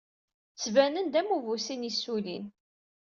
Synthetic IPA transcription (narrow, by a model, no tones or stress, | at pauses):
t͡sːvænənd̪æmuvusinisulḭn